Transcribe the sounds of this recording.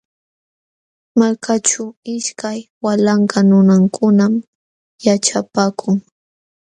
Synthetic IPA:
malkʰat͡ʃaɪʃkajwalaɴkanʊnaŋkʰʊnam | jaʈ͡ʂapaːkʰʊŋ

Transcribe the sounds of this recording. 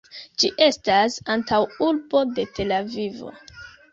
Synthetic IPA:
d͡ʒiʔe̞stasantʰawulbo̞de̞tʰe̞lavivo̞̰

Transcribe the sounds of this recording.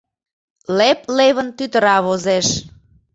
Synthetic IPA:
lepleβənt̪yt̪əɾɑβozeʃ

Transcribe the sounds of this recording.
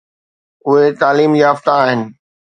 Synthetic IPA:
ʊɦet̪aːliːmjaːft̪aːɦɪnɪ̆

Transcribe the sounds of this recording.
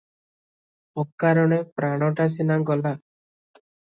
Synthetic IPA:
ɔkːaɾɔɽ̃epɾaɽ̃ɔʈas̬inaɡɔla

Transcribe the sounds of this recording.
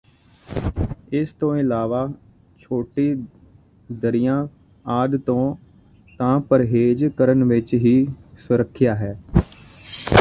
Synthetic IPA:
ɪst̪õːɪlaːʋaː | t͡ʃʰoːʈiː | d̪əɾɪjãː | aːd̪t̪õː | t̪ãːpəɾɦeːd͡ʒkəɾənʋɪt͡ʃɦiːsʊɾəkʰːɪjaːɦɛː

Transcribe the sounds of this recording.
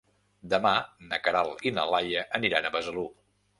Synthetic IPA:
d̪əmanəkəɾalˠinə̰lajəʔəniɾanəβəzəlu

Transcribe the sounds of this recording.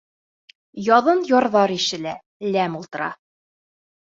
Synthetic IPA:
jɒðɤnjɒɾðɑɾiʃɘ̆læ | læmulˠt̪ɤ̆ɾɑ̰

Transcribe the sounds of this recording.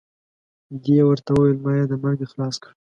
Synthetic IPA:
d̪ewəɾt̪awəwajəlmɑjɑd̪əmaɾɡexlɑskɽ

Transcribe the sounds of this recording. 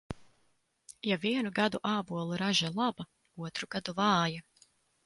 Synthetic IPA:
javiɛnuɡad̪uʔaːbuɔlˠuɾaʒalˠaba | uɔt̪ɾuɡ̥ad̪uvɑːja

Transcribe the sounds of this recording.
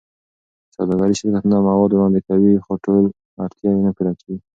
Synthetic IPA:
sawd̪ɑɡaɾiʃɪɾkat̪namawɑd̪wɾɑnd̪ekawixoʈol | aɾt̪jɑjenapid̪ɑkeɡi

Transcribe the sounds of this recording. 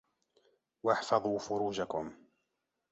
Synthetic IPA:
waħfɑðˤuːfʊɾuːd͡ʒakʊm

